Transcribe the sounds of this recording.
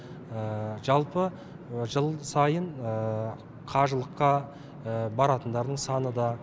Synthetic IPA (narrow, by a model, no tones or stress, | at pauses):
əʒɑlˠpə | ʒəlˠsɑjənə | qʰɑʒəlˠəqːɑ | əbɑɾɑt̪ənd̪ɑɾd̪əɴsɑnəd̪ɑ